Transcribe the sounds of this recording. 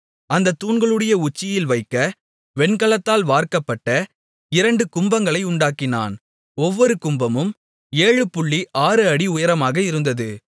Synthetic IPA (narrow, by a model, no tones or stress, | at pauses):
ɐnd̪ɐt̪ːuːnɡɐɭɯɽɐjɐʊt͡ʃːɪjɪlʋɐɪkːɐ | ʋɛɳkɐɭɐt̪ːaːlʋaːɾkɐpːɐʈːɐ | ɪɾɐɳɖɯkʊmbɐŋɡɐɭɐɪʊɳɖaːkɪna̰ːn | ɔʋːɔɾɯkʊmbɐmɯm | eːɻɯpːʊɭːiʔaːɾɯɐɽiʊjɐɾɐmaːɣɐɪɾɯnd̪ɐðɯ